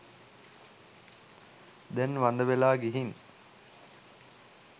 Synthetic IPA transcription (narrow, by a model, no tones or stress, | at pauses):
d̪ɛnʋand̪əʋelaːɡiɦin